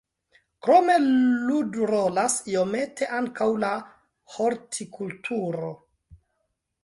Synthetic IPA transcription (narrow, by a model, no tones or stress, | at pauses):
kɾo̞me̞ludɾolasio̞me̞tʰe̞ʔaŋkawla | ho̞ɾtʰikʰultʰuɾo̞